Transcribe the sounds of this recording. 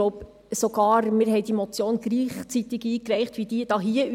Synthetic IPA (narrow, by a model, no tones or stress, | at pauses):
oʊp | soɡ̥ɑːɾmɪɾɦɛɪd̥imɔt͡sjoːnɡɾiːχt͡sit̪ɪɡiːkrɛɪχtʋid̥iəd̥ɑːɦiə